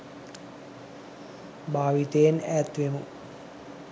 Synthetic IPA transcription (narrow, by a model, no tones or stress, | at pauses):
bʱaːʋit̪ejenæːt̪ʋemu